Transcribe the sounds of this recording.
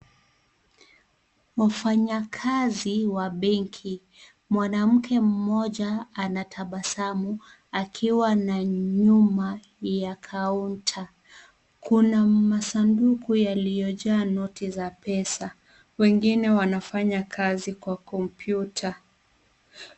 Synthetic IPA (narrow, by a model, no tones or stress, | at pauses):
wafaɲakʰaziwaɓɛŋkʰi | mwanam̩kʰɛm̩mɔʄaanatʰaɓasamu | akʰiwanaɲuma | jakʰauntʰa | kunamasandukujalijɔʄaːnɔtizapɛsa | wɛŋɡinɛwanafaɲakʰazikwakɔmpʰjutʰa